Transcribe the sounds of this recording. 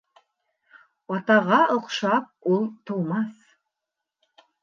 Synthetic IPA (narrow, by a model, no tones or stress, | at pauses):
ɑt̪ɑʁɑɤ̆qʃɑp̚ulˠt̪ʰolˠmɑs